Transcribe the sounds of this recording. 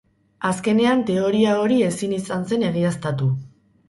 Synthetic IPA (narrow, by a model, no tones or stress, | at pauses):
aske̞ne̞ant̪e̞o̞ɾiao̞ɾie̞sinisanse̞ne̞ɣ̞iast̪at̪u